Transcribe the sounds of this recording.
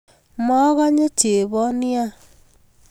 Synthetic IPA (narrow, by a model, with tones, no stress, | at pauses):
mɔ˦ɣa˦ɲe˦t͡ʃe˨βɔ˦ni˦a˦